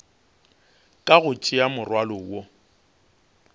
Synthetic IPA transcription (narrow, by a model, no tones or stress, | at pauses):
kʼaɣʊt͡ʃʼɪamʊrwalʊwo